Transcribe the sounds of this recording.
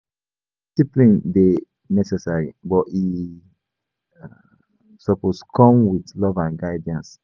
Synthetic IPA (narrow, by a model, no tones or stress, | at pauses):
sipɹĩnde | nɛsɛsaɹibɔi | sɔposkʰɔ̃mwitlɔvãnɡaɪdãns